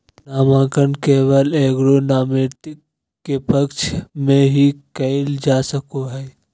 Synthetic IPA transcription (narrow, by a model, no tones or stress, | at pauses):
naːmãːkənkeːʋəleːɡɾonaːmɪɾt̪ɪ | epəkt͡ʃmẽɦikəɪld͡ʒaːsəkoɦɛː